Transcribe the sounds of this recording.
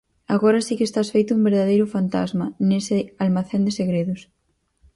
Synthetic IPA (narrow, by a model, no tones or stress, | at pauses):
aɣɔɾɐsikɪeːst̪asfejt̪ʊumbeɾðaðejɾʊfant̪a̰zmɐnesɪalmaθend̪eseɣɾeðʊs